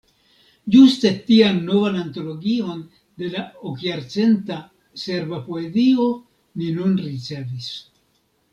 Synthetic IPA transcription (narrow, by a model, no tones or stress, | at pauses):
d͡ʒuste̞tianːo̞vananto̞lo̞ɡio̞n | d̪e̞laokjaɾt͡se̞nta | se̞ɾbapoezio̞ | ninunɾit͡se̞vis